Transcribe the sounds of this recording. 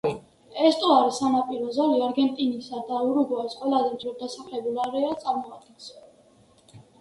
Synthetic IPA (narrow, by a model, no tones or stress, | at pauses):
ɛst̪ʼɔaɾisanapʼiɾɔzaliaɾɡɛnt̪ʼinisad̪auɾuɡɔaisqʼwɛlazɛmd͡ʒ̪ʰɾɔd̪asaχlɛbulaɾɛat̪sʼaɾmɔad̪̚ɡɛns